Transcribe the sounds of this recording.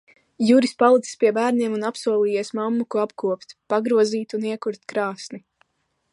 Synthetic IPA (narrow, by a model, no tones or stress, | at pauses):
juɾispalˠit̪i̥spʲiɛbæːɾniɛmunapsuɔlˠiːjeɛsmamːukuapkuɔpt̪paɡɾuɔziːt̪uniɛkuɾt̪kɾaːsni